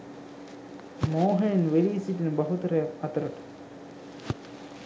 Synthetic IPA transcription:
moːɦɐjnʋeliːsiʈinbɐɦut̪ɐɾɐjɐɐt̪ɐɾɐʈ

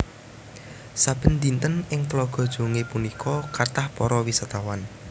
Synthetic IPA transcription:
sab̥ə̤nd̪int̪ənɪŋt̪lɔɡ̥ɔ̤d̥ʒ̥o̤ŋepunikʰɔkart̪ahpɔɾɔwisat̪awan

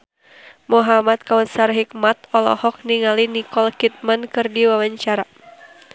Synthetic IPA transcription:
mɔɦamat̪̚kawəsarɦik̚mat̪ɔlɔ̰hɔk̚niŋalinikɔlkit̪̚mankɨrdiwawaɲt͡ʃaɾa

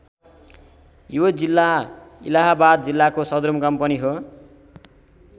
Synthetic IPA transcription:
jod͡zilːaḭlaɦabad̪̚d͡zilːakosʌd̪ɾumkʌmpʌniɦo

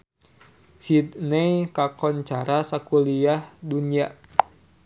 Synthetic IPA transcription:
sid̪nejkakɔnt͡ʃaɾasakuliahdunia

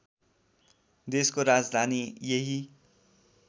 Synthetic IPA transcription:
d̪eskoɾad͡zd̪ʱanijeɦi

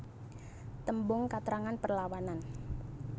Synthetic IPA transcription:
t̪əmbʊŋkat̪ɾaŋanpərlawanan

